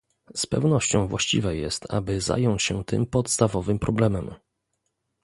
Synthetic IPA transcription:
spɛvnɔɕt͡ɕɔ̃w̃vwaɕt͡ɕḭvɛjɛ̰st̪ʰa̰bɘza̰jɔɲt͡ɕɕɛt̪ɘ̰mpɔt̪st̪avɔvɘmpɾɔblɛmɛm

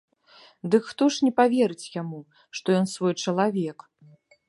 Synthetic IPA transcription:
d̪ɨkxt̪ɔʂnʲɛpavʲɛɾɨt͡sʲjamu | ʂt̪ɔjɔnsvɔjt͡ʂɐlˠavʲɛk

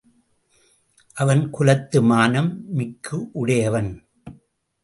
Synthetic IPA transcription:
ʔɐʋɐnkʊlɐt̪ːɯmaːnɐmːɪkʰːɯʔʊɽɐjɐʋɐn

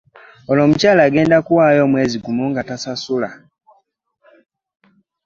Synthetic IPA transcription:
olo̞ːmucaːlaːɡe̞ːndakuwaːjo̞ːmwe̞ːziɡumuŋɡatasasula

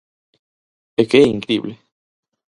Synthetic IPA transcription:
ekeiŋkɾḭble

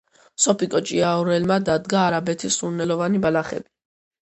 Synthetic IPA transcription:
sɔpikʼɔt͡ʃʼiaɔɾɛlmad̪ad̪ɡaːɾabɛt̪ʰisuɾnɛlɔvanibalaχɛ̰bi

